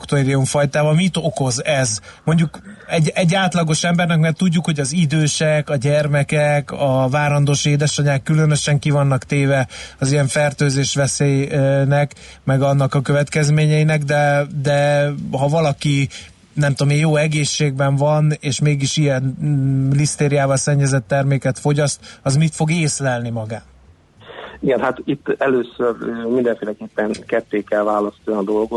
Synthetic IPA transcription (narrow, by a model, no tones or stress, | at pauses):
kt̪oɾiuɱfɒjt̪aːbɒmit̪o̞ko̞zɛzmo̞ɲɟukɛɟɛɟːaːt̪lɒɡo̞ʃɛmbɛrnɛkmɛrt̪uɟːukho̞ɟɒzid̪øːʃɛkɒɟɛrmɛkɛkɒvaːɾɒnd̪oːʃeːd̪ɛʃɒɲaːkːylø̞nø̞ʃɛŋkivɒnːɒkt̪eːvɛɒzijɛɱfɛrt̪øːzeːʃʋɛseːjnɛkmɛɡɒnːɒkɒkøvɛt̪kɛzmeːɲɛinɛɡd̪ɛd̪ɛɦɒvɒlɒki | nɛmt̪omejoːɛɡeːʃːeːɡ̚bɛɱvɒneːʃmeːɡiʃijɛnlist̪eːɾijaːvɒlsɛɲːɛzɛt̪ːɛrmeːkɛt̪fo̞ɟɒst̪ɒzmit̪fo̞ɡeːslɛlnimɒɡaːt̪ | iɡɛnhat̪it̪ːɛløːsørøːmind̪ɛɱfeːlɛkeːpːɛŋkɛt̪ːeːkɛlvaːlɒst̪ond̪o̞lɡo